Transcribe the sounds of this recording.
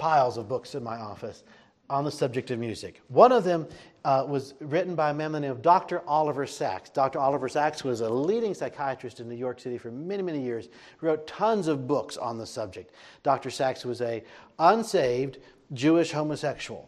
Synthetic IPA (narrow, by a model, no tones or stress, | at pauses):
pʰaɪlˠzʌvbʊksɨ̃nmaɪɔfɨs | n̩ðəsʌb̚d͡ʒɨk̚tʌvmjʉzɨ̰kwʌ̃ñʌvðɨ̃mwʌzɹɪʔn̩baɪɨmɛ̃mɨnĩʌvdɑk̚tə˞ʔɑlˠəvə˞sæ̰ksd̥ɑk̚tə˞ɑlˠəvə˞sækswʌzəliɾɪ̃ŋsaɪkʰaɪɨt͡ʃɹ̥ɨstɨ̃nːʉjɔɹksɪɾifə˞mɛñimɛnijɪɹz̥ | hɹoʊtʰʌ̃nzʌvbʊksn̩ðəsʌb̚d͡ʒɨk̚td̥ɑk̚tə˞sækswʌzɨʌ̃nseɪvd | d͡ʒʉɪʃhõʊ̃məsɛkʃul̩ˠ